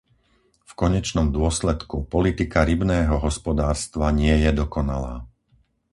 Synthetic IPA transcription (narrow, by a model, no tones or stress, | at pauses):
fkɔɲɛt͡ʃnɔmd̪ʊɔslɛt̪kupɔlit̪ikaɾibnɛːɦɔɦɔspɔd̪aːɾst̪ʋaɲɪɛjɛd̪ɔkɔna̰la̰ː